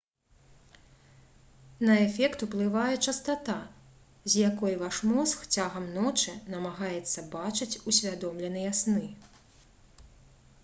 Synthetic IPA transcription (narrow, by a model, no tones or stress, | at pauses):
nɐɛfʲɛkt̪uplˠɨvajɛt͡ʂɐst̪at̪a | zʲjakɔjvaʂmɔsxt͡sʲaɣɐmnɔt͡ʂɨnɐmaɣajɛt̪sːɐbat͡ʂɨt͡sʲusʲvʲad̪ɔmlʲɛnɐjasnɨ